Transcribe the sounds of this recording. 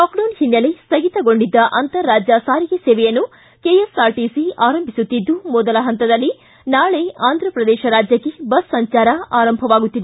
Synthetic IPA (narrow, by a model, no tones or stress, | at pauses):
kaːkɖɐnhinːɐlesɐɡit̪ɐɡo̞ɳɖid̪ːɐʔɐnt̪ɐɾːaːd͡ʒjɐsaːɾijɐseːʋɛjɐnːu | keːjesaːɾʈisiaːɾɐmbʱisut̪ːid̪ːumɔd̪ɐlɐɦɐnt̪ɐd̪ɐlːi | naːɭeaːnd̪ʱɾɐpɾɐd̪ɛːʃɐɾaːd͡ʒjɐkːebɐsːɐɲt͡ʃaːɾɐaːɾɐmbʱɐʋaːɡut̪ːid̪e